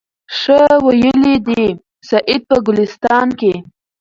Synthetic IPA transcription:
ʂəwajəlid̪i | saʔɪd̪̚pəɡʊlɪst̪ɑnke

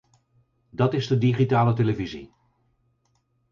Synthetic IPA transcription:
dɑtɪzdədiχitaːlət̬eləvizḭ

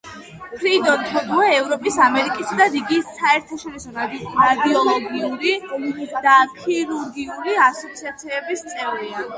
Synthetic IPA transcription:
pʰɾid̪ɔnt̪ʰɔd̪uɛːvɾɔpʼisamɛɾikʼisad̪adiɡisaɛɾt̪ʰaʃɔɾisɔɾad̪iɔlˠɔɡiuɾid̪̥akʰiɾuɾɡiuɾiasɔt̪sʰiat̪sʰiɛbist̪sʼɛvɾia

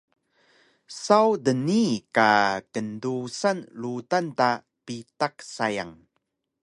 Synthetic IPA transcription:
sawdənikakəndusanlutanta | pitaksaja̰ŋ

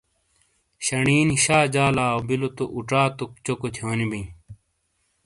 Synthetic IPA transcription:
ɕɐɳiːniɕaːd͡ʑaːlaːobilot̪oʔuʈ͡ʂaːt̪ok̚t͡ɕokot̪ʰjoːnibĩ

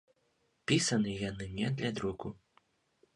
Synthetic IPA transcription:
pʲisɐnɨjanɨnʲɛd̪lʲad̪ɾuɡu

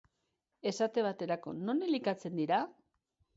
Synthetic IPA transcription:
e̞sat̪e̞βat̪e̞ɾako̞no̞nelikat͡se̞nd̪iɾa

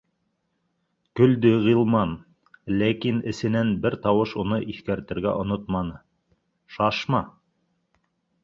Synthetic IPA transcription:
kɵ̆ld̪ɵʁilˠmɑn | lækinɘ̆sɘ̆nænbɘɾt̪ɑwɤʃunɤʔiθkæɾt̪ɘ̆ɾɡæ̰ʔŏnot̪mɑnɤ | ʃɑʃmɑ

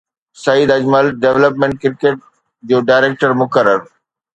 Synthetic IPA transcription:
sɐid̪ɐd͡ʑməlɖeʋləpmẽɳʈ̚kɪɾkeːʈ̚ | d͡ʑoːɖaːɪɾeːk̚ʈəɾmʊkəɾəɾ

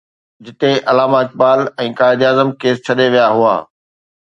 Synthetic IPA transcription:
d͡ʑɪt̪eʔɐlaːmaɪk̚baːlɛ̃ːkaːɪd̪aːzəmkeːst͡ɕʰɐɗeʋijaɦua̰ː

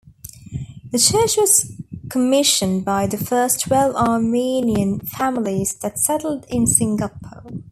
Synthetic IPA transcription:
ðət͡ʃʰɜˑt͡ʃwɒz̥kʰəmɪʃə̃nbaɪðəfɜˑstʰwɛvɑːmiːniə̃nfæmliz̥ðətsɛɾl̩ˠdɪ̃nsɪ̃ŋɡəpʰoʊ

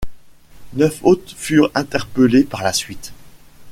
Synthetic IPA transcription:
nœfot̪fyʁɛ̃t̪ɛʁpəlepaʁlasɥit̪

